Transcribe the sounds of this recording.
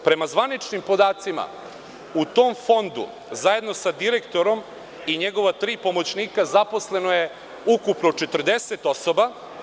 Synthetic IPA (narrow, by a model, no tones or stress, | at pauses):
pɾe̞mazʋanit͡ʃnimpo̞d̪aːt̪sima̰ | ut̪o̞mfo̞nd̪ṵ | zaje̞d̪no̞sad̪iɾekt̪o̞ɾo̞m | iɲe̞ɡo̞ʋat̪ɾiːpo̞mo̞t͡ɕniːkazapo̞sle̞no̞je̞ | ukupnot͡ʃet̪r̩d̪eset̪o̞soba